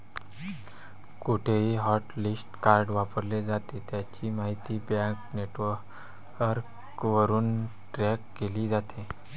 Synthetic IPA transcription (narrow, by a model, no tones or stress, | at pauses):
kuʈʰeiɦɔʈlisʈkaɾɖʋapəɾled͡zat̪et̪jat͡ɕiːmaɦit̪iːbjãkneʈʋəɾ | əɾk | ʋəɾuːn | ʈɾɛkːeliːd͡zat̪e